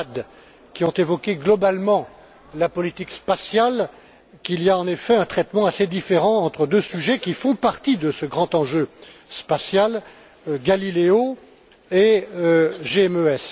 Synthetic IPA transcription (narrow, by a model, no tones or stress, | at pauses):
d̪ | kʲiɔ̃t̪evɔkʲeɡlɔbalmɑ̃ | lapɔlit̪ikspasjal | kilijaɑ̃nefɛɛ̃t̪χɛt̪mɑ̃ased̪ifeʁɑ̃ɑ̃t̪χəd̪øsyʒɛkʲifɔ̃paʁt̪id̪əsəɡʁɑ̃t̪ɑ̃ʒøspasjal | ɡalileo | e | ʒeɛmøɛs